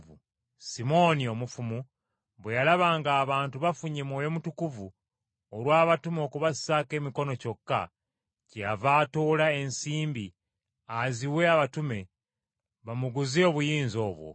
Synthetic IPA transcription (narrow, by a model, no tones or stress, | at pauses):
ṵ | simo̞nio̞mufumu | βwejalaβaːŋɡaːβaːntuβafuɲemwo̞ːjo̞mutukuvu | oɾwaːβatumo̞ːkuβassake̞ːmiko̞no̞co̞kːa̰ | ceavaːtoːlae̞nsiːmbi | aziwe̞aβatume̞ | βamuɡuzoβujiːnzo̞ːβwo̰